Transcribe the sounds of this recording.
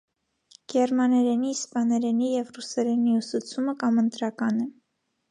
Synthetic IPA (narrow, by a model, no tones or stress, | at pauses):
ɡ̥ɛɾmɑnɛɾɛnispɑnɛɾɛnijɛvrusɛɾɛniusut͡sʰuməkɑmənt̪ɾɑkɑnɛ